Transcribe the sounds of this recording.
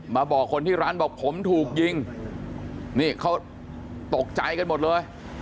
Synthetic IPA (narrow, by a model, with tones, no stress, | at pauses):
maː˧bɔː˨˩kʰːo˧nt̪ʰiː˥˩ɾaː˦˥˩nbɔː˨˩k̚pʰo˩˦mt̪ʰuː˨˩k̚ji˧ŋ | niː˥˩kʰa˦˥w | t̪o˨˩k̚t͡ɕa˧jka˧nmo˨˩t̪̚lɤː˧j